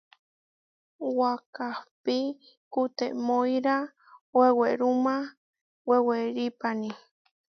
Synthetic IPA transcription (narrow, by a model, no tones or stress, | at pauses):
wakahpi | kut̪eʔmojɾa | weweɾuma | weweɾipani